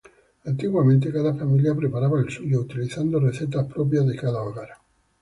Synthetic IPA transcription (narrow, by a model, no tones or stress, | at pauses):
ant̪iɣwamẽnt̪̬ekaðafamiljapɾepaɾaβaelsuʝout̪iliθand̪ore̞θe̞t̪aspɾo̞p̬jazðe̞kaðaoɣaɾa